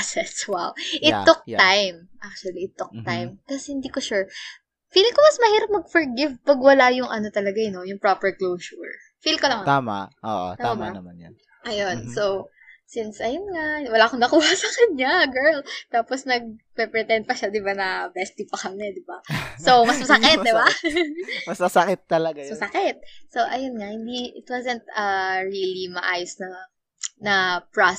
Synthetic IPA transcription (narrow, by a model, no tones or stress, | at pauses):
sɛswawʔɪtːʊk̚t̪ajm | ʔak̚t͡ʃʊwɐliɪt̪ːʊk̚t̪ajmt̪asɛhɪnd̪iːkoʃɛɹ | fiːlɪŋkomɐsmɐhiːɾɐp̚mɐɡ̚fɔɹɡɪvpɐɡwɐlajʊŋʔɐno̞t̪ɐlɐɡajno̞jʊŋpɹapɛɹklowsʊɹ | filkolɐŋt̪ama̰ʔʔo̰ʔo̰t̪ambanɐmanj | ʔɐjonsow | sinsɐjonŋawɐlaːkoŋnɐkuːhɐsɐkɐnɲaɡɛɹlt̪aːposnɐɡ̚pɛpɹɛt̪ɛnd̪̚pɐʃad̪ɪbanɐbɛst̪ipɐkɐmɛd̪ɪbaso̞wmɐsmɐsɐkɛt̪d̪ɪba | mɐsɐsɐkɛt̪̚ːɐlɐɡasmɐsɐkɛt̪̚so̞ʔɐjonŋɐhɪnd̪iʔɪt̪wazɛnt̪̚ɐɹilimɐʔaːjʊsnɐ | nɐpɹa